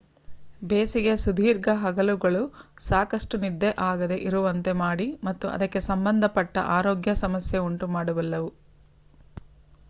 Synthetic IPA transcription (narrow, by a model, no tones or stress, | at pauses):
beːsiɡe̞sud̪ʱiːɾɡɐɦɐɡɐluɡɐɭusaːkɐʂʈunid̪ːe̞ʔaːɡɐd̪e̞ʔiɾuʋɐnt̪e̞maːɽimɐt̪ːuʔɐ̰d̪ɐkːe̞sɐmbɐnd̪ʱɐpɐʈːɐ̰ʔaːɾoːɡjɐsɐmɐsjeuɳʈumaːɽuʋɐlːɐʋu